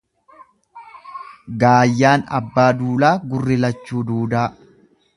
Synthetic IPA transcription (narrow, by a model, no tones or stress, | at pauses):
ɡaːjːaːnɐ̰bːaːd̪uːlaːɡʊrːɪlɐt͡ʃːuːd̪uːd̪aː